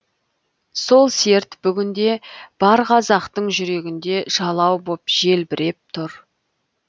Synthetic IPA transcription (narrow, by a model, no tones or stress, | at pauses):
so̞lˠse̞ɾt̪b̥ʏɡʲɪnd̪e̞b̥ɑɾqɑzɑqt̪əɴʒʏɾe̞ɡʲɪnd̪e̞ʒ̥ɑlˠɑwbopʒe̞lbɪɾe̞p̚t̪ʰʊɾ